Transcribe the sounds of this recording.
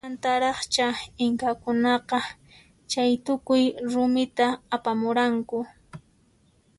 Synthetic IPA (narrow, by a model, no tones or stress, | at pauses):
ant̪aɾɑχt͡ʃaɪŋkakʊnɑqɑ | t͡ʃajt̪ʊkʊjɾʊmɪt̪aːpamʊɾaŋkʊ